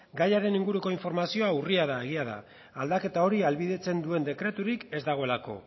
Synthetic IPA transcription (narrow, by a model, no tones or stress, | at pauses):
ɡajaɾe̞niŋɡuɾuko̞iɱfo̞ɾmasio̞auriaðae̞ɣ̞iað̞a̰ | ald̪ake̞t̪ao̞ɾialβiðe̞t͡se̞nd̪ue̞nd̪e̞kɾe̞t̪uɾike̞zd̪aɣ̞o̞e̞lako̞̰